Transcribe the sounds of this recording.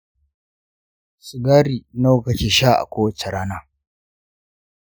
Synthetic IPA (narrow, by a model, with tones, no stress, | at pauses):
sʊ˨ɡaː˦ɾiː˨na˦wkɐ˨t͡ʃʲe˨ʃa˦ʔa̰˨kʷoː˦wɐ˦t͡ʃe˨ɽaː˦naː˦